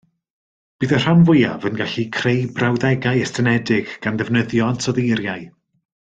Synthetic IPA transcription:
b̥ɨːðər̥anvʊja̰vənɡaɬikʰrejbrawðɛɡajɛstʰənɛdɪɡ̥ɡ̥anðɛvnəðjɔantʰɔðejɾjaj

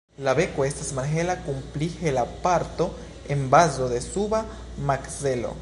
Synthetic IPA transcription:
laβekoest̪asmaɾɦelakumplihelapaɾt̪o | embazoðesuβa | makselo̰

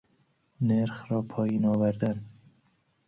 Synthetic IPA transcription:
neɾxɾɒːpʰɒːjiːnɒːvæɾd̪æn

